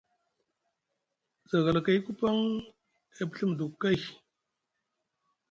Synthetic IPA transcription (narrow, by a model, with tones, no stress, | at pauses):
za˨ɣa˨la˨ka˨jku˦pa˦ŋ | e˦˨pɬə˦m˨du˨kːa˦˨